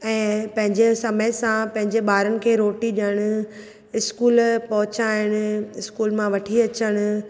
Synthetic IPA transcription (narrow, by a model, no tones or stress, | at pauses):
ɛ̃ːpɐ̃ɦɪ̃ɲd͡ʑesɐməɪsãpɐ̃ɦɪ̃ɲd͡ʑeɓaːɾənɪ̆kʰeːɾoːʈiɗəɽ̃ʊ̆ | ɪskuːlpɐɦʊt͡ɕaːɪɽ̃ʊ̆ɪskuːlmãʋɐʈʰiɐt͡ɕəɽ̃ʊ̆